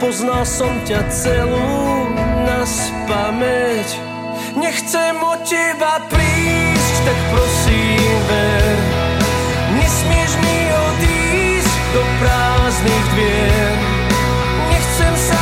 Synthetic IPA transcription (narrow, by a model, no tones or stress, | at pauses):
pɔznalsɔmcat͡sɛluunas | pamɛc | ɲɛxt͡sɛmɔcːɛbapɾiːsct̪akpɾɔsiːmvɛɾ | ɲɛsmɪɛʒmi | ɔd̪i | sɟd̪ɔpɾaːzniːɣd̪ʋɪɛ | n | ɲɛxt͡sɛmsa